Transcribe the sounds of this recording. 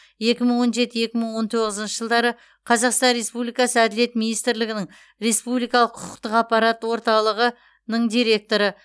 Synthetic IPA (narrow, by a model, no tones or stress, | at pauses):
je̞kʲɪməɴwo̞nʒe̞t̪ɪje̞kʲɪməɴwo̞nt̪ʰo̞ʁəzənʃəʒəlˠd̪ɑɾə | qʰɑzɑqst̪ɑnɾe̞spublijkɑsəæd̪ɪle̞t̪minijst̪ɾlɪɡʲɪnɪŋ | ɾe̞spublijkɑlˠəqʰʊqʊqt̪əqɑqpːɑɾɑt̪wo̞ɾt̪ɑlˠəʁə | nəɴd̪ijɾe̞k̚t̪o̞ɾə